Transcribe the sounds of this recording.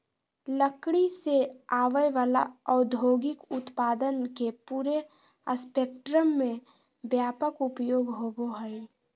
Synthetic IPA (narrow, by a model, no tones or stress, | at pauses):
ləkɽiseaːʋəʋaːla̰ɔʊd̪ʱjoːɡɪkʊt̪paːd̪ənkepuːɾe | əspek̚ʈɾəmːẽ | bjaːpəkupjoːɡɦoboɦəj